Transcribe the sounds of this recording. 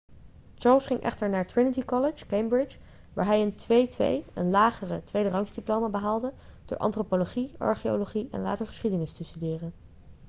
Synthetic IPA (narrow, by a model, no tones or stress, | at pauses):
t͡ʃɑːɹlˠsχɪŋʔɛ̰χtəɹnaːɹtɹɪnətikɑlɪt͡ʃkejmbɹɪt͡ʃ | ʋa̰ːɹɦɛjəntʋejtʋḛjə̰nlaːχərətʋejdərɑŋzdiplowmabəɦaːlˠdə | d̥ʊ̰ːɹʔɑ̰ntropoloχiɑ̰ɹχio̰loχiɛ̰nla̰ːtəɹχə̥sχidənɪstəstydɪːrən